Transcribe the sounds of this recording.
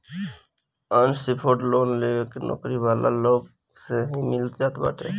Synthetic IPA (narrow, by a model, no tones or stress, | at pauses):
ənsipʰoːʈloːnleːekenɔ̰ːkɾiʋaːla̰loːɡ | seɦimɪlt̪d͡ʒaːt̪ba̰ːʈʰeː